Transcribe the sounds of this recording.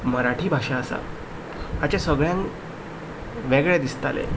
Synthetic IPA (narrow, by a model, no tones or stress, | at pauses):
məɾaʈʰiːbʱaʂaəsa̰ | at͡ɕasəɡɭjãŋ | ʋeɡɭed̪ist̪alḛ